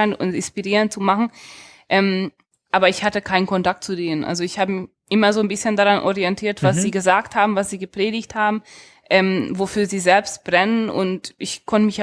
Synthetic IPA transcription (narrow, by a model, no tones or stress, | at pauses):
ɪnʊ̰ntɪnspiʁiːʁəntt͡sumaχn̩ | ʔɛːm | ʔaːbɐɪçhatəkʰaɪnənkʰɔntak̚tt͡sudeːnənʔa̰lzoɪçhaːbəmɪç | ʔɪmɐzoːnbɪsçəndaʁanʔɔ̰ʁiɛntʰiːɐtvv̥as̬z̥iːɡəzaːkthaːbm̩vasz̥iːɡəpʁ̥eːdɪçthaːbm̩ | ʔɛːmvofyːɐziːzɛlpstb̥ʁɛnənʔʊ̰ntʔɪçkʰɔntəmɪç